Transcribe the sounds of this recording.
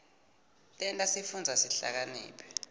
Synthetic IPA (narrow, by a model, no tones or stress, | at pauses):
tʼɛntʼasifund͡zʱasiɬa̰k̬anḭːpʰɛ̥